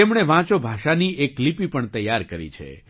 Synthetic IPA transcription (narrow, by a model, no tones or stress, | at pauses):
emɳ̃eʋãt͡ʃobʱaʃanieklipipəɳt̪əjːaɾkəɾḭt͡ʃʰḛ